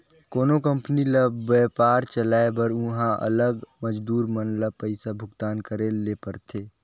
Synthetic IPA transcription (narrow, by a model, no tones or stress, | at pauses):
koːnokə̃mpnilabɛpaːɾt͡ʃəlaːebəɾʊ̃ɦãʔə̰ləɡməd͡ʒd̪uːɾmənlapəɪsabʱʊɡt̪aːnkəɾelepəɾt̪ʰeː